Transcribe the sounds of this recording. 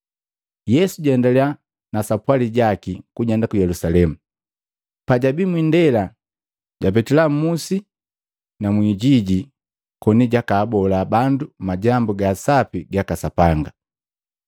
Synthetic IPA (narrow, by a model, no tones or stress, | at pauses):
jɛsuɟɛndalɛa | nasapwaliɟakikuɟɛndakujɛlusalɛmu | paɟabimwindɛla | ɟ̥ap̬ɛtilam̩musi | namwiɟiɟi | kɔniɟakaːbɔlabandumaɟambuɡasapiɡakasapaŋɡa